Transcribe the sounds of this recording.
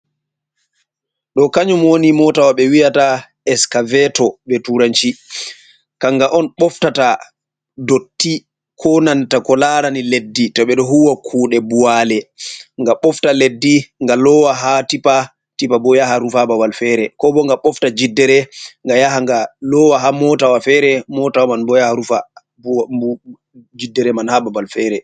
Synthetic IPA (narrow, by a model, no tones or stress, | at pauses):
ɗɔkaɲumwonimɔtawaɓɛwiata | ɛskavɛtɔɓɛtuɾant͡ʃi | kaŋɡaʔɔnɓɔftata | dotːi | kʰɔnantakɔlaɾaniledːitɔɓɛɗɔɦuwakʰuːɗɛbualɛŋɡaɓɔftaledːiŋɡalɔwaɦatipa | tipabɔjaɦaɾufabawalfɛːɾɛkɔbɔŋɡaɓɔftad͡ʒidːɛɾɛŋɡajaɦaŋɡalɔwaɦamɔtawafɛɾɛmɔtawamanbɔjahaɾufa | d͡ʒidːɛɾɛmanhababalfɛːɾɛ